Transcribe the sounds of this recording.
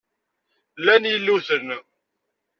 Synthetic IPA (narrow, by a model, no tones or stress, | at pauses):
lːænjilːuθən